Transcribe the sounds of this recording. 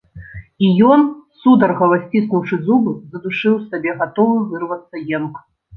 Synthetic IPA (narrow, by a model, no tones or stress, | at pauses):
ijɔnsud̪ɐrɣɐvasʲt͡sʲisnuwt͡ʂɨzubɨzɐd̪uʂɨwsabʲɛɣat̪ɔvɨvɨrvɐt̪sːɐjɛnk